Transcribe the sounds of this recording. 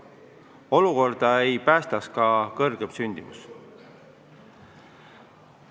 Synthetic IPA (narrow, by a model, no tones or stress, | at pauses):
o̞luko̞rd̪̥ɑejpæːst̪ɑskɑkɤrɡ̥e̞msynʲd̪̥imṵs